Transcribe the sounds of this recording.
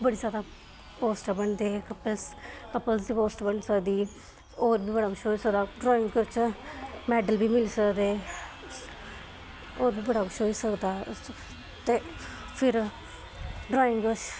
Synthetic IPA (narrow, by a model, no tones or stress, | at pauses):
bəɽiːzjaːd̪aː | poːsʈbəɳd̪eːkəpəlskəpːəlsd̪iːpoːsʈbəɳsəkd̪iː | oːɾbiːbəɽaːkʰʊt͡ʃʰɦoːiːsəkd̪aːɖɾɔːɪŋɡkʊt͡ʃ | mɛːɖəlbiːmɪliːsəkd̪eː | oːɾbiːbəɽaːkʰʊt͡ʃʰɦoːiːsəkd̪aː | t̪eː | pʰɪɾ | ɖɾɔːɪ̃ŋɡot͡ʃ